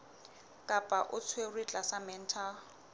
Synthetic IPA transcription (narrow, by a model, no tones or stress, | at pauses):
kʼapʼaʔʊt͡sʰwerwit͡ɬʼasamɛn̩tʰa